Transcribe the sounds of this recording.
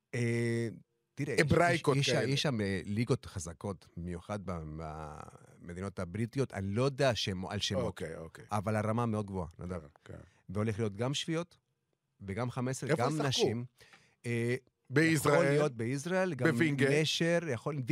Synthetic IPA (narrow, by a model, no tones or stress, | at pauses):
e | t̪iʁeebʁajkoeʃajeʃameliɡo̞t̪χazako̞t̪bimjuχad̪̚baa̰ | med̪ino̞tabʁit̪ijo̞t̪ʰa̰nilo̞d̪aːʃema̰lʃemotkeokeavalaʁamameo̞d̪ɡvoa̰nod̪a̰ | veo̞le̞χlijo̞t̪ɡamʃv̥ijo̞t̪ | veɡamχameseeɡammnaʃim | e | bejisʁaolijo̞t̪̚beis̬ʁaelɡaemviŋɡeneʃeʁjaχolv